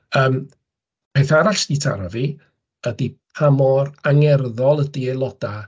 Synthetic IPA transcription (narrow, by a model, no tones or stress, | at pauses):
əːm | pʰeθaɾaɬd̥itʰa̰ɾavi | ədipʰamɔraŋɛrðɔlˠədielˠɔd̥a